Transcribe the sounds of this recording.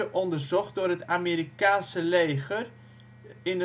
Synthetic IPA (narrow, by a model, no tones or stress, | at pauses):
əʔɔndərzɔχt̚dʊːɾətamiːɾikaːnsəleːχər | ɪnə